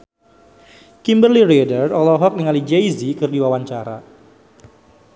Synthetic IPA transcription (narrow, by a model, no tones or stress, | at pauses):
kimbərliredərɔlɔɦɔk̚niŋalid͡ʒɛjzikɨrdiwawaɲt͡ʃaɾa̰